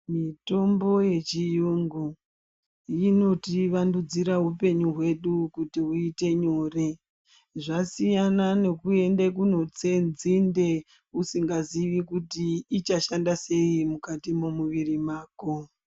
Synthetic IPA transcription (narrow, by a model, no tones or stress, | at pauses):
mito̞mbo̞je̞t͡ʃijuŋɡu | jino̞tiʋandud͡ziɾaɦupe̞ɲuɦwe̞ɗukutiuite̞ɲo̞ːre̞ | ʐasijanane̞kue̞ndekuno̞t͡senzinde̞ | usiŋɡaziʋikutiːt͡ʃaʃandase̞imukatimomuʋirimaːko